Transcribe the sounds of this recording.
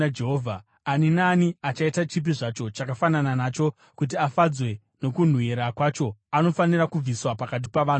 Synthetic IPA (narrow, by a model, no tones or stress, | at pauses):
d͡ʒeɦoːvʱaː | ninaːniat͡ʃaitat͡ʃip̬iʐat͡ʃo̞t͡ʃakafanananat͡ʃo̞ | kut̬iafad͡zwe̞ | no̞kun̤wueɾakwat͡ʃo̞ano̞fanirakub͡viswapakat̬i̥paʋaːn